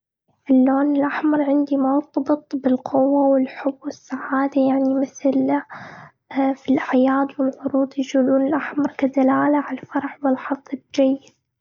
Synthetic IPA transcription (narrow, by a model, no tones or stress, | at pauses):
ʔɪlːoːnɪlʔaħmɑɾˤʕɪnd̪imʊɾt̪ˤɑbɨt̪ˤbɪlqʰʊwːawɪlħʊbːwɪsːaʕaːd̪ajaʕnimɪθl | filʔaʕjaːd̪wɪlʕʊɾuːd̪ˤjd͡ʒuːluːnɪlʔaħmɑɾˤkad̪alaːlaʕalfɑɾˤħwɪlħɑðˤːɪd͡ʒajːɪd̪̚